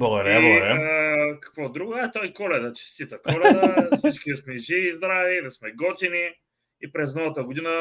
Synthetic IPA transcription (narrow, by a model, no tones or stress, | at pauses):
boɾɛoɾɛkɐ̥kvɔd̪ɾuɡat̪ɔikɔlɛd̪ət͡ʃɛ̥st̪it̪əkɔlɛd̪əsit͡ʃkʲismɛʒivizd̪ɾavid̪ɐsmɛɡɔt̪ʲini | ipɾɛznɔvɐt̪əɡʊd̪inə